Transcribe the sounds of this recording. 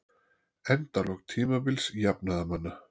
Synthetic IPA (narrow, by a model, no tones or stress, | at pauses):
ɛnt̪alɔɣt̪ʰiːmavɪlsjapnaðamanːa